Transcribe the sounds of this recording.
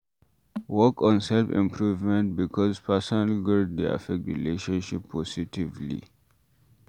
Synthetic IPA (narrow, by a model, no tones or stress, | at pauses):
wɔkɔ̃nsɛlfḭ̃mpʰɹuvmɛ̃nt̚bikʰɔzpʰɛsɔnalɡud̚dia̰fɛk̚tɹḭleʃɔ̃nʃipʰːɔsitivlḭ